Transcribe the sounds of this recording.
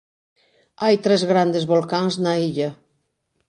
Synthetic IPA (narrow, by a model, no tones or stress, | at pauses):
ajt̪ɾɛzɣɾand̪ezβolˠkanznaiʎa